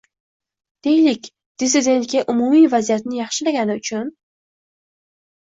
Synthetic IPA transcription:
d̪̥e̞jlɪkʲ | d̪̥ɪsɪd̪ʲe̞nt̪kʲaʔʊmumijvazijat̪nɪjɑχʃɪlaɡʲanɪʊt͡ʃʰʊn

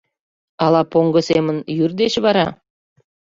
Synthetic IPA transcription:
ɑlɑpoŋɡəsemənjyrd̪eɕβɑɾɑ

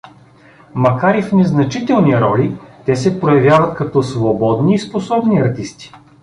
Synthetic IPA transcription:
mɐkaɾifnɛznɐt͡ʃit̪ɛlˠniɾɔlit̪ɛsɛpɾojɐvʲjavət̪̚kɐt̪ɔsvobɔd̪niːsposɔbniɐɾt̪ist̪i̥

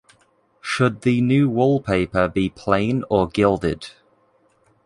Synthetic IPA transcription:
ʃəd̪̚ðənjʉːwɔlˠpʰeɪpəbipʰl̥ẽɪ̃nəɡɪlˠdɪ̰d̥

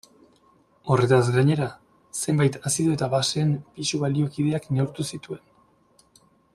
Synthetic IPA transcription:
o̞re̞t̪azɡaɲe̞ɾa | se̞mbajt̪asiðoet̪aβase̞mpisuβalio̞kið̞e̞akne̞uɾt̪usit̪ue̞n

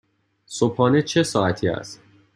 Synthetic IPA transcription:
sopʰɒːnet͡ʃʰe̞sɒːæt̪ʰiːæ̰st̪

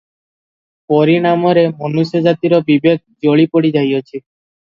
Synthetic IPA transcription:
poɾiɽ̃amɔɾemɔnused͡ʒat̪iɾobibek̚d͡ʒoɭipoɽid͡ʒajot͡ʃʰi

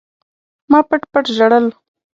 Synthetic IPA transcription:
mɑpəʈpəʈʒaɽəl

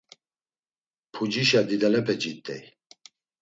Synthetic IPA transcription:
pʰud͡ʒiʃad̪id̪ɛlɛpʰɛd͡ʒit̪ʼːɛ̰j

